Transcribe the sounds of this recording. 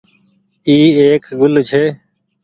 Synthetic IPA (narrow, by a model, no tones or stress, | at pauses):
iːeːkɡʊlt͡ʃʰeː